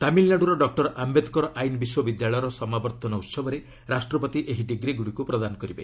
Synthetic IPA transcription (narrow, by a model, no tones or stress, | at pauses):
t̪amilnaɽuɾɔɖɔk̚ʈɔɾʔambed̪ʱkɔɾɔʔajnɔbiswɔbid̪jaɭɔjɾɔsɔmabɔɾt̪ɔnɔut̪sɔbɔɾe | ɾasʈɾɔpɔt̪iʔeɦiɖiɡɾiɡuɽikupɾɔd̪anɔkɔɾibḛ